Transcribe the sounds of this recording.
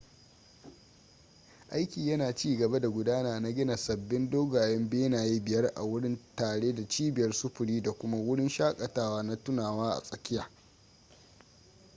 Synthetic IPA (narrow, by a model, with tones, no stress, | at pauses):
ʔa˦jkʲiː˨jɐ˦naː˨t͡ʃiː˦ɡɐ˨ba˦da˨ɡʷʊ˨daː˦naː˨na˦ɡʲɪ˦na˨sɐ˨bːɪ˦ndoː˦ɡaː˨jɛ˦mbeː˦naː˨ji˦bɪ˨jɐ˦rʔa̰˨wʊ˦ɽɪ˦ntaː˨ɽeː˦da˨t͡ʃiː˦bɪ˨jɐ˦rsʊ˦ɸʊ˨ɽiː˦da˨kʷʊ˦ma˦wʊ˦ɽɪ˦nʃaː˦kʼɐ˨taː˦waː˦na˦tʊ˦naː˨waː˦ʔa̰˨sʼɐ˨kʲɪ˦jaː˨